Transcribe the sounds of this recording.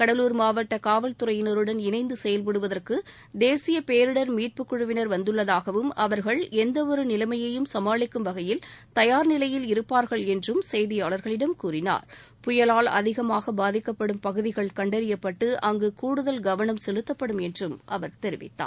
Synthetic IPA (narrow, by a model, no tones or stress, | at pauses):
kɐɽɐluːɾmaːʋɐʈːɐkaːʋɐlt̪ɯɾɐjɪnɐɾɯɽɐnɪnɐɪnd̪ɯsɛjɐlpɐɽɯʋɐðɐrkɯ | d̪eːsɪjɐpeːɾɯɽɐɾmiːʈ̚pɯkːʊɻɯʋɪnɐɾʋɐnd̪ɯɭːɐðaːɣɐʋɯmɐʋɐɾɣɐɭɛnd̪ɐɔɾɯnɪlɐmɐjɐjɯmsɐmaːɭɪkːɯmʋɐɣɐjɪlt̪ɐjaːɾnɪlɐjɪlɪɾɯpːaːɾɣɐɭɛndrɯmsɛjðɪjaːɭɐɾɣɐɭɪɽɐmkuːɾɪna̰ːɾ | pʊjɐlaːɭɐ̰ðɪɣɐmaːɣɐbaːðɪkːɐpːɐɽɯmpɐɣɯðɪɣɐɭkɐɳɖɐɾɪjɐpːɐʈːɯʔɐŋɡɯkuːɽɯðɐlɡɐʋɐnɐmsɛlɯt̪ːɐpːɐɽɯmɛndrɯmʔɐʋɐɾt̪ɛɾɪʋɪ̰t̪ːa̰ː